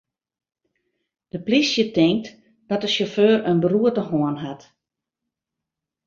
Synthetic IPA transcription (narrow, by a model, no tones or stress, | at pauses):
d̥əplisjətɪŋk̚t | d̥ɔtəsoføːrənbəruətəɦoənɦat